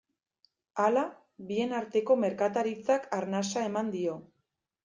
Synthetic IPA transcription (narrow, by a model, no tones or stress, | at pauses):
ala | βie̞naɾt̪e̞ko̞me̞ɾkat̪aɾit͡sakaɾnasae̞mand̪io̞